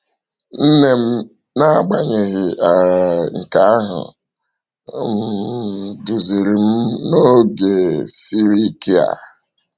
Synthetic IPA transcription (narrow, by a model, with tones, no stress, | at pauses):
n̩˦ne˦m̩˦ | na˦ɡ͡ba˦ɲe˨ɣɪ˨a˨ŋ̩˨ka˨a˦ɦʊ̰˨ | m̩˦du˨zi˨ɾi˨m̩˦no˦ɡe˨si˦ɾi˦ki˦a̰˨